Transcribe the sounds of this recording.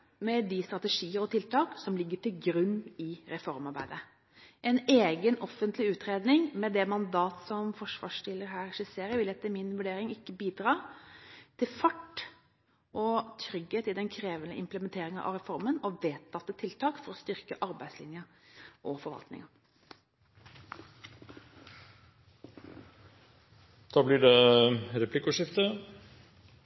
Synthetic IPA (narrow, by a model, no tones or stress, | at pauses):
mɛd̪ɪst̪ɾɑt̪əʂiːəɾɔt̪ʰɪlt̪ɑːksɔmlɪɡːəʈɪlɡɾʉnːɪɾɛfɔɾmɑɾbæ̰ɪd̪ə | ʔɛneːɡənɔfːənt̪ʰlɪʉːt̪ɾeːd̪nɪŋmɛd̪ɛmɑnd̪ɑːt̪sɔmfɔʂʋɑ̰ːʂʈɪlːəɾɦæːɾʂɪseːɾəʋɪlɛt̪ːɪmɪnʋʉɖeːɾɪŋɪkːəbiːd̪ɾɑː | t̪ʰɪlfɑʈː | ʔɔt̪ʰɾʏɡheːt̪ɪd̪ɛnkʰɾeːʋənə̰ʔɪmpləmɛnt̪ʰeːɾɪŋəʔɑ̰ʋɾɛfɔɾmənɔʋeːt̪ʰːɑft̪ːət̪ʰɪlt̪ʰɑːkfɔɾɔst̪ʏɾkəʔɑɾbæɪslɪ̰njəʔɔfɔɾʋɑ̰lt̪nɪ̰ŋə | d̪̥ɑːblɪɖɛɾɛpʰlɪkʊʂɪft̪ə